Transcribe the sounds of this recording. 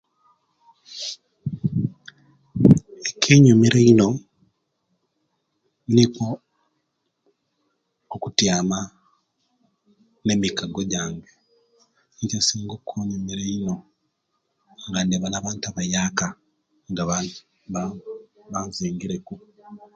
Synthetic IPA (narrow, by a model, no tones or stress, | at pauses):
ekʰeɲumeɾeino̞ | niko | kutjaːma | ne̞mikaɡoɟaːŋɡe | nicasiːŋɡokʰːoɲumeɾeino̞ | ŋɡandeβalaβaːntaβajaːka | ŋɡaβa | βaziːŋɡiɾeku